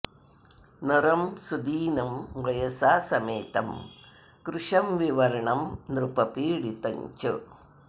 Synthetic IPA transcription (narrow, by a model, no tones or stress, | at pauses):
nɐɾɐmsud̪iːnɐmʋɐjɐsaːsɐmeːt̪ɐm | kɾʊʂɐmʋɪʋɐɾɐɳɐmnɾɯpɐpiːɽit̪ɐɲd͡ʒɯ̰